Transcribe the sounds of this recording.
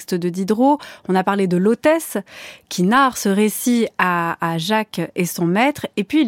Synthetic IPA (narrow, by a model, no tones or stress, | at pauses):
st̪əd̪əd̪id̪ʁoɔ̃napaʁled̪əlot̪ɛskʲʰinaʁsəʁesiaːʒakesɔ̃mɛt̪χepɥi